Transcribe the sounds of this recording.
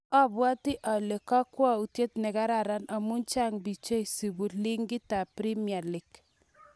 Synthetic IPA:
a˦bwa˦ti˦ʔa˨le˨ka˦kwa˦u˨tje˦tnɛ˨ka˦ɾa˨ɾa˦na˨mu˦nt͡ʃa˦ŋbi˨t͡ʃe˦i˨si˨bu˨li˦ŋɡi˦ta˨pɾi˦mja˨li˨k

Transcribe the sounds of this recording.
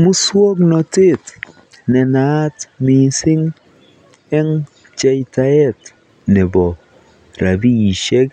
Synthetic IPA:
mu˦swo˦knɔ˨tɪ˦t | nɛ˨na˦tmi˨sɪ˦ŋ | ɛ˦ŋ | t͡ʃa˦jta˨ɛ˦t | nɛ˨bɔ˨ | ɾa˨bi˦i˨ʃe˦k

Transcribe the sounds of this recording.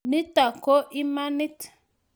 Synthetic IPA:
ni˦ta˨ko˦ʔi˦ma˦ni˦t

